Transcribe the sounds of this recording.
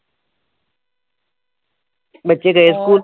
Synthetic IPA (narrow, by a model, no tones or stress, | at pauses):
bɐtːʃeɡɐeskuːl